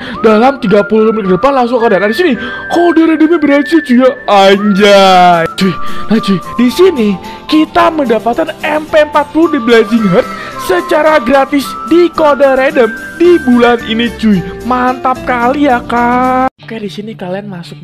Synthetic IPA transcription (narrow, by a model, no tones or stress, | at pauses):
dalamt̪iɡapululmikədəpanlaŋs̬oŋkardanadisini | kodəɾedəmibəɾad͡ʒud͡ʒuɡaːɲd͡ʒad͡ʒuinad͡ʒuidisini | kit̪aməndapat̪̚kanɛmpempat̪̚puludiblɛziŋərt̪̚sət͡ʃaɾaɡɾat̪ɪsdikodaɾedəmdibulaninit͡ʃuimant̪ap̚kalijakakajadisinikalianmasʊk̚